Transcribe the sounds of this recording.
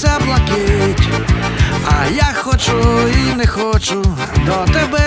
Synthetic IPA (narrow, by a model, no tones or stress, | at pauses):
ablˠɐkɪtʲ | ɐjaxɔt͡ʃʊinɛxɔt͡ʃʊ | d̪ɔt̪ɛbɛ